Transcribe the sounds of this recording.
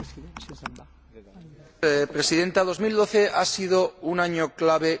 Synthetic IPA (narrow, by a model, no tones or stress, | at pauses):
pɾe̞siðe̞nt̪að̞o̞zmild̪o̞θe̞ʔasið̞ounaɲoklaβ̞e